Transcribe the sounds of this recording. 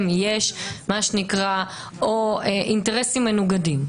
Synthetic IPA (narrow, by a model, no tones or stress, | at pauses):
mjeʃmaʃenikʁa | oeʔinteʁesimːenuɡadim